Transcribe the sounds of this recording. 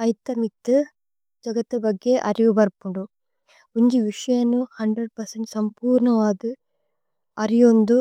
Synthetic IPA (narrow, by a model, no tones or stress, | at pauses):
ɐjt̪ːɐmit̪ːɯ | d͡ʒɐɡɐt̪ːɐbɐɡːeʔɐɾiʋubɐɾpuɳɖu | uɲd͡ʒiʋiʂɐjɐnːuhɐɳɖɾɐɖ̚pɐɾsɐɳʈsɐmpuːɾɳɐʋaːd̪ɯ | ɐɾijond̪u